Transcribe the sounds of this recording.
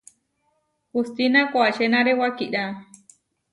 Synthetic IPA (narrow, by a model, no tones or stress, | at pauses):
kust̪inãkʷaʃenãɾewakiʔɾa